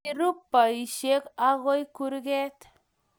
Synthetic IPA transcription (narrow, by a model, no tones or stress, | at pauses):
ɾupːaiʃekaɣojkuɾɡet̪